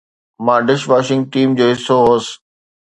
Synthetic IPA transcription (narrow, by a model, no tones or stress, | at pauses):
mãːɖɪʃʋaːʃɪ̃ŋɡ̚ʈiːmd͡ʑoːɦɪsoɦoːs